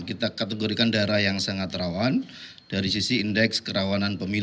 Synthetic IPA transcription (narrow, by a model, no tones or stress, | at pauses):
kit̪akat̪əɡoɾikandaɾajaŋsaŋat̪ɾawan | d̥aɾisisiːndɛkskəɾawananpəmi